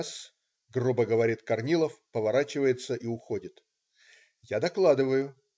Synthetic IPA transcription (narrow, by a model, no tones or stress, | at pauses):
s | ɡrubəɡəvɐɾʲit̪kɐrnʲilˠəfpəvɐɾat͡ɕɪvəjɪt̪səʔiʊxodʲɪt̪ | jad̪ɐklˠad̪ɨvəjʊ